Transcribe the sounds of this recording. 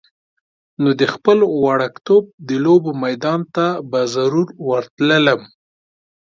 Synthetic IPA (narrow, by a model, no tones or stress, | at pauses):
nod̪əxpəlwɑɽakt̪ob̚d̪əlobomajd̪ɑnt̪abazaɾuɾwəɾt̪lələm